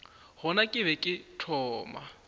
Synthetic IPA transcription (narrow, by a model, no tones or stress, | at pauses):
hɔnakʼɪβɛkʼɪtʰɔːma̰